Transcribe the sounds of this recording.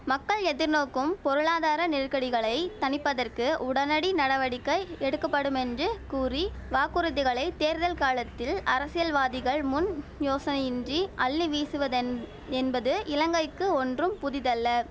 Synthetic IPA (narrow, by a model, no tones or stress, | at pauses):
mɐkːɐɭɛðɪɾnoːkːɯmpɔɾɯɭaːðaːɾɐnɪrkɐɽɪɣɐɭɐɪt̪ɐnɪpːɐðɐrkɯʔʊɽɐnɐɽinɐɽɐʋɐɽɪkːɐɪɛɽɯkːɐpːɐɽɯmɛndrɯkuːri | ʋaːkɯɾɯðɪɣɐɭɐɪt̪eːɾðɐlkaːlɐt̪ːɪlɐɾɐsɪjɐlʋaːðɪɣɐɭmʊnjoːsɐnɐjɪndriʔɐɭːiʋiːsɯʋɐð | ɛnbɐðɯɪlɐŋɡɐɪkːɯɔndrɯmpʊðɪðɐlːɐ